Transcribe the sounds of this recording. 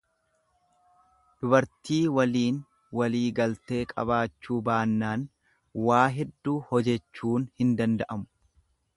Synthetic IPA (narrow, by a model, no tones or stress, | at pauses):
d̪̥ʊbɐɾt̪iːwɐliːn | wɐliːɡɐlt̪e̞ːkʼɐ̰baːt͡ʃːuːbaːnːaːn | waːɦɛd̪ːuːhɔd͡ʒɛt͡ʃːuːnhɪnd̪ɐnd̪ɐʔɐmʊ̥